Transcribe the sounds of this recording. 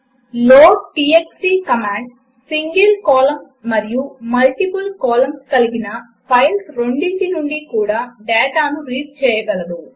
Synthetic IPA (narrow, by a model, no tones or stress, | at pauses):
loːʈiːeksiːkɐmaːɳɖ | siŋɡelkɔːlɐmsmɐɾijumɐlʈipulkɔːlɐmskɐliɡinɐ | pʰɐjlsɾo̞ɳɖiɳʈinuɳɖikuːɽaːɖɛːʈaːnuɾiːʈ̚t͡ʃɛːjɐɡɐlɐd̪u